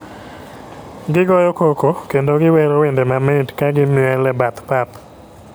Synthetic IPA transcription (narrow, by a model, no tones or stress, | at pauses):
ɡɪɡɔjɔkokokendoɡɪweɾowendemametkaɡɪmɛlɛbat̪pap